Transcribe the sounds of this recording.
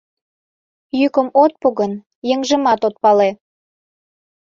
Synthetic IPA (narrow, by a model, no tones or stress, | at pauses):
jykəmot̪̚puɣən | jəŋʒəmɑt̪ot̪̚pɑle